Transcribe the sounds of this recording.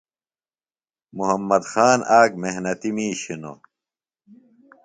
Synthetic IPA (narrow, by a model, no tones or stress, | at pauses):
muɦɐmːɐd̪xaːnʔaːk̚meɦnɐt̪imiːɕino̰